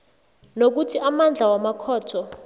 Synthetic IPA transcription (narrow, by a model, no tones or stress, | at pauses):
nok̬utʰiʔamand͡ɮʱawamakʰɔːtʰɔ